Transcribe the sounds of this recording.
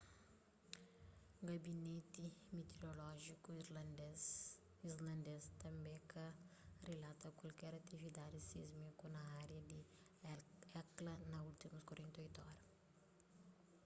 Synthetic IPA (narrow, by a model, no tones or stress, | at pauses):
ɡɐbinet̪imet̪eɾolɔʒiku | izlɐ̃nd̪est̪ɐ̃mbẽkɐrelat̪ɐkwɐlkɛɾɐt̪ivid̪ad̪isizmikunɐaɾjɐd̪i | ɛklɐnɐult̪imuskwaɾẽnt̪ojt̪uɔɾɐ